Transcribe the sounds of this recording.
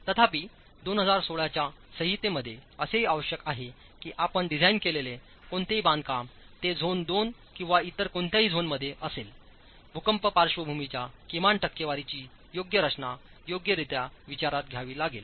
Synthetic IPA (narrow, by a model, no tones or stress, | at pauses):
t̪ət̪ʰapiː | d̪onɦəd͡zaɾsoɭjat͡ɕjasəɦit̪eməd̪ʱːjeəseɦiːaʋəɕjəkaɦe | kiːʔapəɳɖid͡zʱainkelele | koɳt̪eɦiːbãnd̪̚kam | t̪ed͡zʱond̪onkĩw̃ʋait̪əɾkoɳt̪jaɦiːd͡zʱonməd̪ʱːjeʔəsel | bʱukəmpəpaɾʂʋəbʱumit͡ɕjakimaɳʈəkːjeʋaɾit͡ɕiː | joɡjəɾət͡snajoɡjəɾit̪jaʋit͡ɕaɾat̪̚ɡʱjaʋiːlaɡel